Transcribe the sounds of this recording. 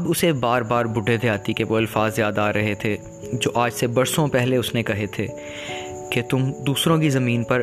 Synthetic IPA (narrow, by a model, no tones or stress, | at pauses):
ɐbʊsebaːɾbaːɾbʊɖʱed̪ʰeaːt̪ikeʋoɐlfaːzːjaːd̪aːɾɐɦet̪ʰe | d͡ʒoːʔaːd͡ʒsebɐɾsõpɛɦleʊsnekɐɦet̪ʰeː | ket̪ʊmd̪uːsɾõkizɐmiːnpɐɾ